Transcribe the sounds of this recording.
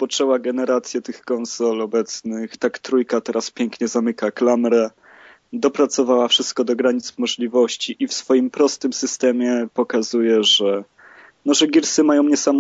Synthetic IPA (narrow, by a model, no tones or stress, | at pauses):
pɔt͡ʂɛwaɡɛnɛɾat̪sʲjɛt̪ɘxkɔnsɔlɔbɛt̪snɘxt̪akt̪ɾujkat̪ɛɾaspʲjɛŋkɲɛzamɘkaklamɾɛ | d̪ɔpɾat̪sɔvawafʂɘst̪̚kɔd̪ɔɡɾaɲit̪smɔʐlʲivɔɕt͡ɕiʔifsfɔjimpɾɔst̪ɘmsɘst̪ɛmʲjɛpɔkazujɛʐɛ | nɔʐɛɡʲiɾsɘmajɔ̃w̃ɲɛsamɔ